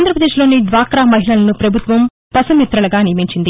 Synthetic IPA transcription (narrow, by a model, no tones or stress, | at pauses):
nd̪ɾɐpɾɐd̪e̞ːʃlo̞ːnid̪ʋaːkɾaːmɐɦilɐlɐnupɾɐbʱut̪ʋɐm | pɐsɐmjit̪ɾɐlɐɡaːnijɐmiɲt͡ʃind̪i